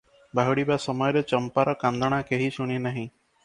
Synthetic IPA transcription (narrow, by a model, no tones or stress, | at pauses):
bʱaɦuɽibasɔmɔjɔɾet͡ʃɔmpaɾɔkand̪ʱɔɽ̃akeɦiʃuɽ̃inaɦĩ